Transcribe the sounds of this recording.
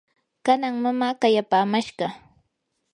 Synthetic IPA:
kanaŋmamaːkajapaːmaʃɢɑ

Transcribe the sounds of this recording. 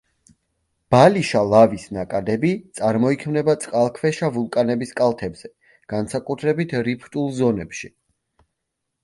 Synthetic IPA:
b̥aliʃalˠavisnakʼad̪ɛbit̪sʼaɾmɔikʰmnɛbat̪sʼqʼalˠkʰvɛʃavulˠkʼanɛbiskʼalˠt̪ʰɛbz̥ɛ | ɡ̥ansakʼut̪ʰɾɛbit̪ʰɾipʰt̪ʼulˠzɔnɛpʃi

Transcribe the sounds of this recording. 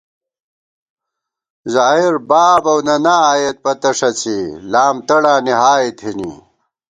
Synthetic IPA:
zaːɦiɾbaːbɐwnɐnaaːjɐt̪̚pɐt̪ɐʂɐt͡silaːmt̪ɐɽaːniɦaːit̪hinḭː

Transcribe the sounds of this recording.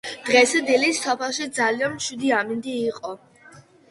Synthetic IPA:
d̪̥ʁɛsɛd̪ilisɔpʰɛlˠʃid̪zalianmʃwid̪iamind̪iːqʼɔ

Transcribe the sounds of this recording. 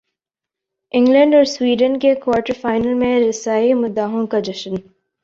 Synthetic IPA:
ɪ̃ŋɡlə̃ɳɖɔːɾswiːɖə̃nkekwaːɾʈəɾfaːɪnəlmẽɾɪsaːimʊd̪aːɦõkad͡ʒɐʃən

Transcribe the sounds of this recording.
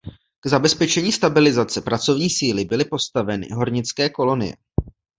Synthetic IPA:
ɡ̥zabɛspɛt͡ʃɛɲiːst̪abɪlɪzat͡sɛpɾat͡so̞vɲiːsiːlɪbɪlɪpo̞st̪avɛnɪ̰ɦo̞ɾɲɪt͡skɛːko̞lo̞nɪ̰jɛ̰

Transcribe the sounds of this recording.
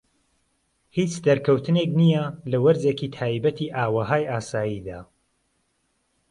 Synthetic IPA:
hit͡ʃd̪ɐɾkʰɐwt̪ʰɨneknijɐlɐwɐɾzeːkit̪ʰaːjbɐt̪ʰiːʔaːwɐɦaːjʔaːsaːjiːd̪aː

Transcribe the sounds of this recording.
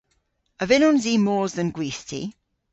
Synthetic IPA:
əvɪnɔnziːmɔːzðə̃nɡwiˑstʰḭ

